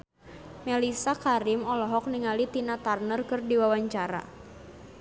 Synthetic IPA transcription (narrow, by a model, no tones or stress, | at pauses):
melisakaɾɪmɔlɔɦɔk̚niŋalit̪inat̪arnərkɨrdiwawaɲt͡ʃaɾa̰